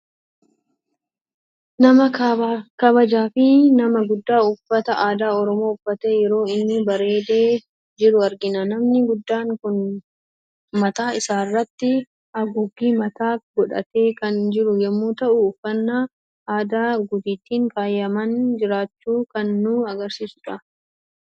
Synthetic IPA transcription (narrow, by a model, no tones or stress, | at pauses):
nɐmɐkɐbɐd͡ʒaːfɪnɐmɐɡʊd̪ːaːʊfːɐt̪ɐʔaːd̪aːɔɾɔmo̞ːʊfːɐt̪e̞ːjɛɾo̞ːɪnːʊbɐɾe̞ːd̪e̞ː | d͡ʒɪɾʊɐɾɡɪnɐnɐmnɪɡʊd̪ːaːŋkʊn | mɐt̪aːɪsaːrːɐt̪ːɪ | ɐɡʊɡːiːmɐt̪aːɡɔᶑɐ̰t̪eːkɐnd͡ʒɪɾʊjɛmːuːt̪ɐʔʊːfːɐnːa | ʔaːd̪aːɡʊd̪ɪt̪ːiːŋkaːjːɐmɐnd͡ʒɪɾaːt͡ʃːuːkɐnːuːɐɡɐɾsiːsʊᶑɐ